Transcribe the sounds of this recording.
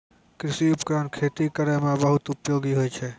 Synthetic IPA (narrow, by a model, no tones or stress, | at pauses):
kɾɪsiʊpkɾaːnkʰet̪ikəɾemẽbəɦʊt̪ʊpjoːɡiɦojt͡ʃʰɛ